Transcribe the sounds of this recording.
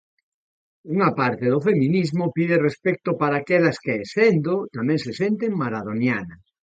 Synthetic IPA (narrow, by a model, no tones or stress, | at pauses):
uŋapaɾt̪eðofemĩnizmopið̞erespɛk̚t̪opaɾaːkelaskeesend̪ot̪amɛ̃ŋsesent̪eŋmaɾaðonjana